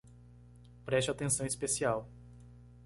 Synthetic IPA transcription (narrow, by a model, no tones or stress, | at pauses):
pɾɛʃt͡ʃat̪ẽsɐ̃w̃ispesiaw